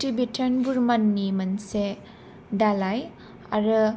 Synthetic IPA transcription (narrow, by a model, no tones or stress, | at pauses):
tibitʰənbuɾmanːimanse | dalaj | a̰ɾɯ